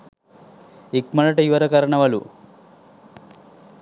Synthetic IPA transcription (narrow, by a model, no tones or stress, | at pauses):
ikmɐlɐʈɐjuʋɐɾɐkɐɾɐɳɐʋɐlṵ